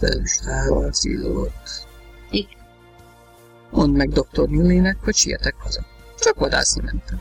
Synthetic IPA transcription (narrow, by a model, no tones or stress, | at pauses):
fɛ̰lɛ̰lyʃaːlɔnzḭlːot̪ | i | onmɛɡd̪ok̚t̪ornylːeːnɛkhocʃiɛ̰t̪ɛkhɒzɒt͡ʃɒkʋɒd̪a̰ːsimɛnt̪ɛm